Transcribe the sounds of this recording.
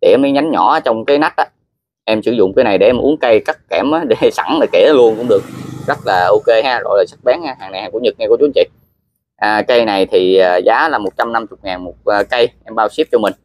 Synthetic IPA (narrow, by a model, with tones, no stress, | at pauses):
ɗḛ˧˩˧məː˨˦jɲa˨˦ŋɲɔː˧˩˨t͡ɕɔ˧wŋ͡mkaː˨˦jna˦˥k̚ʔaː˨˦ | ʔɛ˧msɨ̰˧˩˦zʊ̰˧˨ŋ͡mkaː˨˦na˨˩jɗe˧˩ʔɛ˧mʔu˨˦əŋkə˧jkaː˦˥k̚kɛ˧˩mʔaː˨˦ɗe˧˩sa˧˩ŋlaː˨˩ke˧˩lu˧ənkʊ̰˧˥ŋ͡mɗɨ˨˩ək̚zə˦˥t̚laː˨˩ʔo˧ke˧haː˧zo̰˧˩jlaː˨˩sə˦˥k̚ɓa˨˦nhaː˧ha̰ː˨˩ŋna˨˩jhaː˨˩ŋku˧˩˥ɲɨ˨˩t̚ŋ˧ku˧˩˦t͡ɕu˨˦ŋt͡ɕḭ˧˨ | ʔəː˨˩kə˧jna˨˩jt̪ʰi˨˩aː˨˩zaː˨˦laː˨˩mo˨˩t̚t͡ɕa˧mna˧mt͡ɕʊ˨˩k͡p̚ŋaː˨˩nmo˨˩t̚əː˨˩kə˧jʔɛ˧mɓaː˧wsi˦˥p̚t͡ɕɔ˧mï̟˨˩